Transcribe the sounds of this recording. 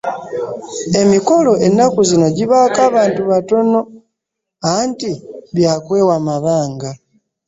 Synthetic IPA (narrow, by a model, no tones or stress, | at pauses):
e̞miko̞lo̞ʔe̞nːakuzino̞ɟiβaːkaːβaːntuβato̞no̞ | antiβjaːkwe̞ːwamaβaːŋɡa